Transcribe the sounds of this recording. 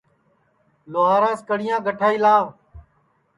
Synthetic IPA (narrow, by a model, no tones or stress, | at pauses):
loːɦaːɾãːskəɽɪjãːɡʱəʈʰaːiːlaːʋ